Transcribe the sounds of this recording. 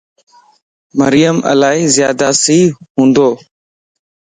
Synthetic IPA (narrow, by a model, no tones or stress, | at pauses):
məɾɪjəmʔə̰laːɦiːzjaːd̪aːsiːɦũːnd̪oː